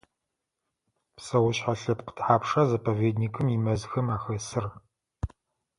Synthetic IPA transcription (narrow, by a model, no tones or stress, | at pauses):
psɐwʊɕħaɬɐp̚qə̥tʰħaːpʂazɐpʰɐveːdniːkʰɨmimɐzxɐmaːxɐsɨr